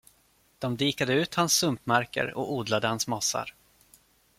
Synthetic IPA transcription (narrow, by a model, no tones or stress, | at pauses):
d̪̥ɔmd̪iːkad̪əʉ̟ːt̪hansːɵmpmæɾkə̰ɾɔ̰kuːd̪lad̪əhansmasːa̰ɾ